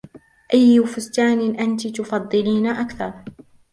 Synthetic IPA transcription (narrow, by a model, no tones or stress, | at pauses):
ʔajːfʊst̪aːnɪʔant̪it̪ʊfɑd̪ˤːɨliːnaʔakθɑɾˤ